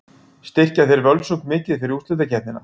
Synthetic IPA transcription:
st̪ɪr̥caθejɾvœlsuŋkmɪːcɪðθfɪɾɪɾust̪lʏt̪acʰɛt̪nɪnːa̰

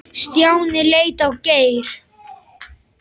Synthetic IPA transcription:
st̪jaːwnɪleːjt̪awceːjɾ̥

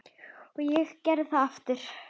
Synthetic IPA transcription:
ɔɣjɛɣcɛɾðɪθaðaft̪ɪɾ̥

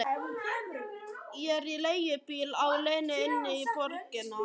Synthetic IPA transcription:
jɛɾilejɪpilawlejnɪɪnːɪipɔɾkɪna

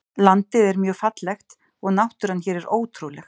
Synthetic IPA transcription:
lant̪ɪðɛɾmjœːfat̪lɛxt̪ | ɔɣnawht̪ʏɾ̥ançɛːɾɛɾoːwt̪ʰɾulɛx

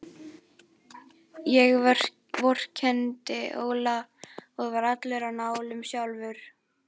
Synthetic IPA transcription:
jɛɣ̥ | vɔr̥cʰɛnt̪ɪʔo̰ːwlaɔɣvaɾat̪lɛɾanaːwlʏmsjawlvʏɾ̥

